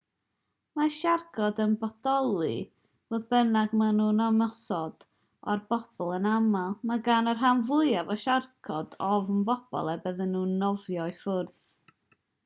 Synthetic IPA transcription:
maʃarɡʰɔdənbɔdɔlˠɨ̰ | voːðbɛnaɡmanuːnɔməsɔd̥ | ɔrbɔb̥ɔlˠənamalˠmaɡanɔrɦanvʊjavɔʃarkʰɔdɔvənbɔb̥ɔ̰lˠɛbəðənːuːnɔvjɔɨfʊrθ

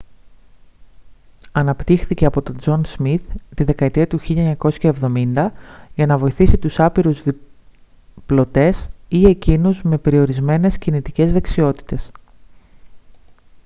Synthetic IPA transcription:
ɐnɐpt̪ixθice̞ɐpo̞t̪o̞d͡zo̞nzmiθt̪iðe̞kɐet̪iɐt̪uçiʎɐeɲɐko̞sçɐevðo̞mind̪ɐʝɐnɐvo̞iθisit̪usɐpiɾuzði | plo̞t̪e̞sie̞cinuzme̞pe̞ɾio̞ɾizme̞ne̞scinit̪ice̞zðe̞ksio̞t̪i̥t̪e̞s

